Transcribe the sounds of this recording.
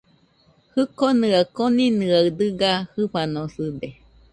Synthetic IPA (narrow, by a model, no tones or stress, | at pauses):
hɨkonɯakoninɯaɰd̪ɯɡahɨɸanosɨd̪e